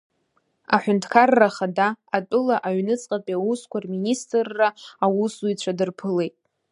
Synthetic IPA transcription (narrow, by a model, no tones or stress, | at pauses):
aħʷᶣʊntʰkʰarːaχadaːtʷʼʊlaʔaɥnɨt͡sʼqʼapʼiawuskʷʰarministʰʼrːaawusuit͡ɕʷʰadɨrpʰɨle̞jtʼ